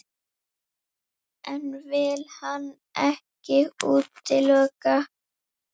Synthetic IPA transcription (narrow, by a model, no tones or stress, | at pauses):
ɛnvɪlhan | ɛhcɪuːt̪ːɪlœːka